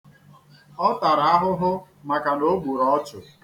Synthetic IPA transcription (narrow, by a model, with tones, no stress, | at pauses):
ɔ˦ta˨ɾa˨a˦ɦʊ˦ɦʊ˦ | ma˨ka˨no˦ɡ͡bʷu˨ɾɔ˦t͡ʃʊ˨